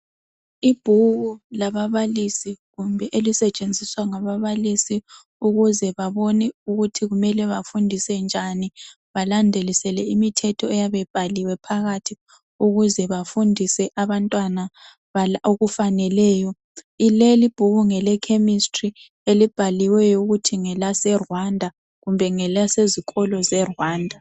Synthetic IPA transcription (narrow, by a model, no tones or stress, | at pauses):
ib̥ʱuɣulaβaβalisiɣumbʱɛʔelisɛt͡ʃʼend͡zʱiswaŋaβaβalisi | uɣuzɛβaβonɛuɣutʰiɣumɛlɛβafundʱisɛnd͡ʒʱani | βalandʱelisɛlɛimitʰɛtʰɔɛjaβɛb̥ʱaliwɛpʰaɣatʰi | uɣuzɛβafundʱisɛʔaβantʼwana | βaoɣufanɛlɛːjɔ | ilelib̥ʱuɣuŋɛlɛkʰemistʼri | elib̥ʱaliwɛjɔuɣutʰiŋɛlasɛrwandʱa | ɣumbʱɛŋɛlaseziɣʰʼɔlɔzɛrwaːndʱa